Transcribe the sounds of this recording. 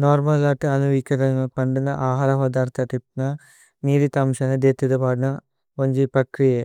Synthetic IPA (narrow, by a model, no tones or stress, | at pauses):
noːɾmɐlːaːʈːɯɐnuʋikːɐðɐpɐɳɖɯnːɐʔaːɦaːɾɐʋɐd̪aːɾt̪ːɐʈip̚nɐ | niːɾit̪ɐmʂɐnɐd̪eːt̪ːiðɐpaːɽɯnɐ | oɲd͡ʒipɐkɾije